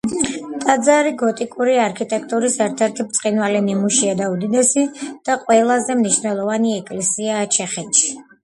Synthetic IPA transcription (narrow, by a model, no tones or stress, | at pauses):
t̪ʼad̪zaɾiɡɔt̪ʼikʼuɾiaɾkʰit̪ʼɛkʰt̪ʼuɾisɛɾt̪ʰɛɾt̪ʰip̚t̪sʼqʼinvalinimuʃiad̪aud̪id̪ɛsid̪̥aqʼwɛlˠazɛmniʃnɛlˠɔvaniɛkʼlɛsiaːt͡ʃʰɛχɛt̪ʃi̥